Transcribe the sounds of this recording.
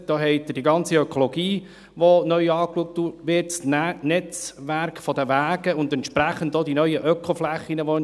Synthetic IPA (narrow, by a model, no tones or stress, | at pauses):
d̥oːɦɛɪtːəd̥iɡɑnt͡siœkʰolɔɡiː | ʋonœʏɑːkluək̚td̥uʋɪtsnnɛt͡sʋæɾkfɔdəʋæːɡ̥əʊndɛnt̪ʃpɾæχəndodinœʏəʔœkχoflæχːinəʋo